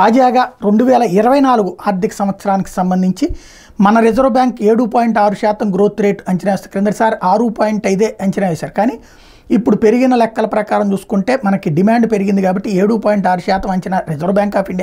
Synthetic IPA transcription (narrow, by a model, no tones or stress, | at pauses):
t̪aːd͡ʒaːɡaːɾe̞ɳɖuʋɛːlɐiɾɐʋɐjnaːluɡuʔaːɾd̪ʱikɐ̥sɐmʋɐt̪sɐɾaːniki̥sɐmbɐnd̪ʱiɲt͡ʃi | mɐnɐɾid͡ʒɐɾʋbjaːŋkeːɽuːpaːjiɳʈaːɾuʃaːt̪ɐmɡɾo̞ːt̪ɾe̞ːʈɐɲt͡ʃinɐʋeːsaːɾkɾend̪ɾɐsaːɾaːɾupaːjiɳʈɐjd̪e̞ːʔɐɲt͡ʃinɐːʋeːsaːɾukaːniː | ipːuɽupe̞ɾiɡinɐlɛkːɐlɐpɾɐkaːɾɐmt͡ʃuːsu̥kuɳʈe̞ːmɐnɐkiɖimaːɳɖpeɾiɡind̪ikaːbɐʈːieːɽuːpaːjiɳʈaːɾuʃaːt̪ɐmɐɲt͡ʃinɐɾed͡ʒɐɾʋbjaːŋkaːfiɳɖi